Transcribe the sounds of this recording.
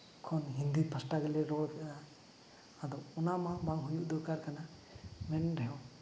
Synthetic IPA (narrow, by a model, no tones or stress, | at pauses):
kʰɔnɦind̪ipʰasʈaɡɛlɛɾɔd̪ɛnaː | d̪ɔɔnamabaŋɦujuʔd̪ɔkaɾkana | mɛnɾɛɦɔ